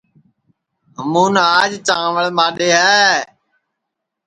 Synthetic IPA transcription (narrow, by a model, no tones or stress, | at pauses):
ɦəmuːnaːd͡ʒt͡ʃãːʋəɭmaːɗeːɦɛː